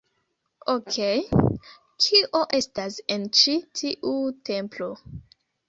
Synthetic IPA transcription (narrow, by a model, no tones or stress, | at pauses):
okʰej | kʰiʔoʔe̞stase̞nt͡ʃitʰiʔute̞mplo̞